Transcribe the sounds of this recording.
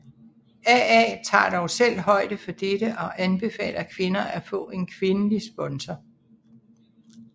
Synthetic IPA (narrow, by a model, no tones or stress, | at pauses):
æɛ̰ːt͡sʰɑ̰̈ːd̥ɒʊsel̰ɦɒ̽ɪ̰d̥əfɒ̽d̥eɾəʔɒ̽ʔænb̥e̝fɛ̰ːlɐkʰʋe̝nɐæfɔ̰̽ːe̝nkʰʋe̝nəlisb̥ɒ̽nsɐ